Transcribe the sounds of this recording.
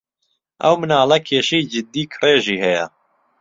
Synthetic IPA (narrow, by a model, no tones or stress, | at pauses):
ʔɐ̰wmɨnaːlɐkʰeːʃijd͡ʒɨd̪ːiːkʰɨreːʒiːhɛjɛ̰